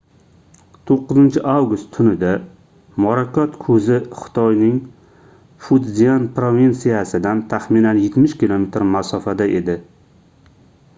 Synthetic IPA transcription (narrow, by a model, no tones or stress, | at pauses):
t̪ʰoqːɨzɪnt͡ʃʰɪʔawɡʊst̪ʰʊnɪd̪a | mɒɾakʰʲɒt̪kʰɵzɪχɪ̥t̪ʰɒjnɪŋ | fʊd̪zijanpɾovint̪sijasɪd̪ant̪ʰaχminanjet̪mɪʃkʲilˠome̞t̪ɾmasɒfad̪aʔe̞d̪ɪ